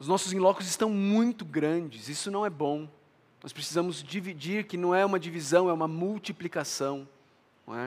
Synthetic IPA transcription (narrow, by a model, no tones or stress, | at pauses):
ʊznɔsʊzẽlɔkʊzɪst̪ɐ̃w̃mũj̃t̪ʊɡɾɐ̃d͡ʒɪzisʊnɐ̃w̃ɛbõ | nɔ̰spɾesizɐ̃mʊzd͡ʒivid͡ʒiɾkɪnɐ̃w̃ɛũmɐd͡ʒivizɐ̃w̃ɛũmɐmuwt͡ʃiplikasɐ̃w̰̃ | ɛ